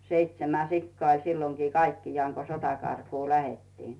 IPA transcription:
seitsemæ sikːɑː olʲ silːoŋki kɑikːijɑːŋ ko sotɑkɑrkuː læhetːiːn

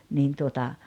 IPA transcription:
niːn tuotɑ

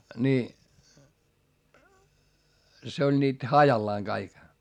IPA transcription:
ni se olʲ niːt hɑjɑlːɑːŋ ɡ̊ɑik

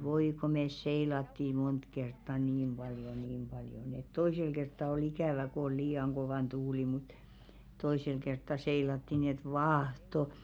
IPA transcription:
ʋoi ko meˑs seilɑtːi mont kertːɑ niːm b̥ɑljo niːm pɑljo nĭ et toisel kertːɑ ol ikæˑʋæ ko ol liːɑŋ koʋɑˑn tuːli mut toisel kertːɑ seilɑtːi ni et ʋɑːhto

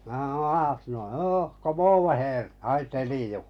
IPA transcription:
mæ hɑ̆o ɑːsnoi hoː komoːʋo heːr hɑi teliju

